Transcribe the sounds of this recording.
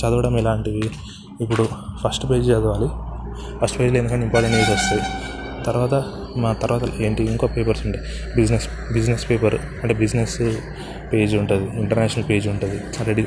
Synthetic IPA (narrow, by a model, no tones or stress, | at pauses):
t͡ʃɐd̪uɽɐmilaːɳʈid̪iː | pːuɽupʰɐsʈpe̞ːd͡ʒd͡ʒɛːɡ̪ɐʋaːli | pʰɐsʈpe̞ːd͡ʒleːnd̪ukɐɳɖimpaːɾʈeɳʈid͡ʒɐɾst̪e | t̪ɐɾuʋaːt̪ɐ | mt̪ɐɾuʋaːt̪ɐeːɳʈiːŋkoːpe̞ːpɐɾsuɳɖi | bid͡ʒnes | bid͡ʒnespeːpɐɾ | ɐɳʈeːbid͡ʒnes | pe̞ːd͡ʒuɳʈud̪iiɳʈɐɾnɛːʃɐnɐlpeːd͡ʒuɳʈud̪i | ɐɾeɽi